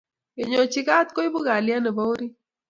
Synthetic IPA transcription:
e˨ɲɔ˨t͡ʃɪ˦ɡa˦t̪kɔ˦i˦bʊ˦ɡa˨lja˦nɛ˨bo˦wɾi˦

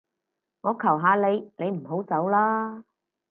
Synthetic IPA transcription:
ŋɔː˨˧kʰɐ˨˩wɦaː˨˧le˨˧jne˨˧jm̩˨˩ɦo˨˥wt͡sɐ˨˥wlaː˥

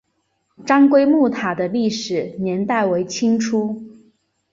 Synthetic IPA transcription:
ʈ͡ʂɑ˥ŋkwe˥ɪmu˥˩t̪ʰa˨˩d̪ə˦li˥˩ʂɻ̩˨˩˦njɛ˧˥nt̪a˥˩ɪwe˧˥ɪt͡ɕʰi˥ŋʈ͡ʂʰu˥

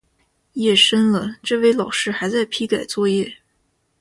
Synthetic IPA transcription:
jɛ˥˩ʂə˥nlə˨ʈ͡ʂɤ˥˧we˥˩ɪlɑ˨˩ʊʂɻ̩˥˧xa˧˥ɪt͡sa˥˩ɪpʰi˥ka˨˩ɪt͡swɔ˥˧jɛ˥˩

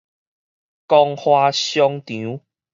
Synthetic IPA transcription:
kɔ˧ŋhwa˧ɕjɔ˧ŋt̪ĩ˨˦

